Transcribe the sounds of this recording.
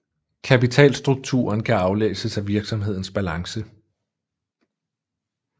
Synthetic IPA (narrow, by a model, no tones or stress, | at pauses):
kʰæpit͡sʰɛ̰ːlsd̥ʁuɡ̥̚t͡sʰṵːɐnkʰæɑ̈ʊlḛːsəsæʋiɐɡ̥sɒ̽mɦe̝ð̞̰ˠn̩sb̥ælɑ̈ŋsə